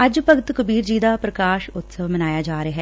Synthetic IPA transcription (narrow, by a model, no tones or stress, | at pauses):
ɐd͡ʒpəɡt̪kəbiːɾd͡ʒiːd̪aːpɾəkaːʃʊt̪səʋmənaːjaːd͡ʒaːɾeɦɛː